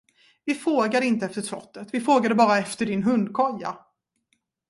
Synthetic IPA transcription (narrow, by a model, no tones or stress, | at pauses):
vɪfɾoːɡad̪əɪnt̪əɛft̪əʂlɔ̰t̪ːət̪vɪfɾoːɡad̪əbɑːɾaɛft̪əɖɪnɦɵnd̪kʰɔjːa̰